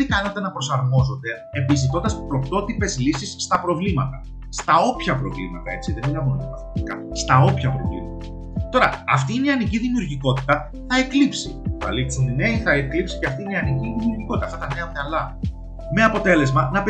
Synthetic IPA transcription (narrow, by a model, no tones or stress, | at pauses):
t̪ikɐnet̪e̞nɐpɾo̞sɐɾmo̞zo̞t̪e̞ | embis̬it̪ond̪ɐspɾo̞kt̪o̞t̪ipe̞zlisisːt̪ɐpɾo̞vlimɐt̪ɐ | st̪ɐo̞pçɐpɾo̞̰vlḭmɐt̪ɐe̞t͡siðemilɐvunt̪ɐp̪ɐθt̪ikɐ̰st̪ɐo̞pçɐpɾo̞̰vlḭmɐt̪ɐ | t̪o̞ɾɐɐft̪iːneiɐniciðimiuɾʝiko̞t̪i̥t̪ɐ | θɐeklipsikɐ̰lit̪sinine̞iθɐeklipsi̥ceɐft̪iineɐniciðimiuɾʝiko̞t̪it̪ɐaft̪ɐt̪ɐne̞ɐtɐlɐ | me̞ɐpo̞t̪e̞le̞zmɐnɐp